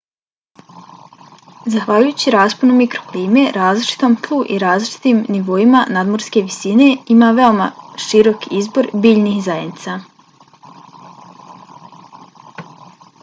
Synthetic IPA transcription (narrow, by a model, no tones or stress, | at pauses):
zaxʋaʎujuːt͡ɕiɾaːsponumikɾokliːme̞ɾaːzlit͡ʃi̥t̪o̞mkʰlˠuʔḭɾaːzlˠit͡ʃi̥t̪iːmniʋo̞imanaːd̪mo̞ɾske̞ʋisine̞imaːʋe̞omaʃiɾo̞kizbo̞ɾbiːʎnixzajednit̪sa